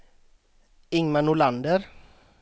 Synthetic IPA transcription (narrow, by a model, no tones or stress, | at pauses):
ɪŋmanʊland̪əɾ